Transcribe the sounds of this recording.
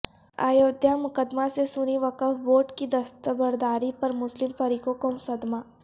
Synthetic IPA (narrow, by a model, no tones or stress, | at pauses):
a̰ːjoːd̪ʱjamʊkəd̪masesʊñiʋɐkəfboːɾʈkid̪ɐst̪əbəɾd̪aːɾipɐɾmʊslɪmfɐɾiːkokomsɐd̪maː